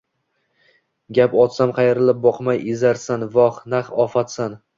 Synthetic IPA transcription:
ɡʲapɒt̪samqʰɑjɾɪlɪp̚bɒqmajɪzaɾsanvɒχnaχɒfat̪san

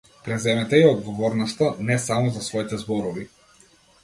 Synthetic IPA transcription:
pɾɛzɛmɛt̪ɛiɔd̪ɡɔvɔɾnɔst̪anɛsamɔzasvɔit̪ɛzbɔɾɔvi

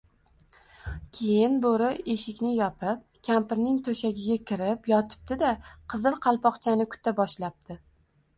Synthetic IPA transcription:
k̞ʲʰejɪnboɾɪe̞ʃɪkʲnɪjɒpʰɪp̚ | kʲʰampɪɾnɪŋt̪ʰoʃaɡʲɪɡʲakʲɪɾɪpjɒt̪ʰɪ̥p̚t̪ɪd̪aqʰɨzɨlˠqʰɑlˠpɒqt͡ʃʰanɪkʰʊ̥t̪ʰːabɒʃlap̚t̪ʰɪ

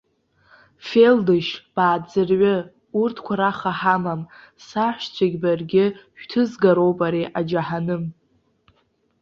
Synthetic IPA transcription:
fe̞ldɨʃb̥aːd͡zɨrʕʷʊ | urtʰkʷʰaɾaχaħamam | saħʷt͡ɕʷʰaɡʲbarɡʲɪʃᶣtʰɨzɡaɾowpʼaɾiʔad͡ʒaħanɨm

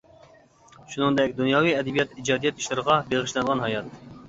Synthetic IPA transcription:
ʃunɨŋd̪ɛkʲd̪unjɑːwijɛd̪ɛbijɛt̪id͡ʒɑːd̪ijɛt̪i̥ʃlɨɾəʁɑbeʁɨʃlɛnəʁɑnɦɑjɑt̪

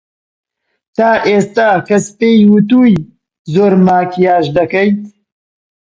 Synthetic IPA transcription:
t̪aːʔeːst̪aːkɐspeːjwɨt̪̬uːj | zoːɾmaːkijaːʃd̪ɐkɐjt̪

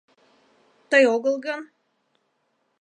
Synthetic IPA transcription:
t̪əjoɣəlˠɣən

